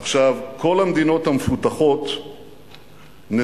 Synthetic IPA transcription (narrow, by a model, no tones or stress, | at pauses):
aχʃavkʰo̞lamd̪ino̞thamefutaχo̞t | ne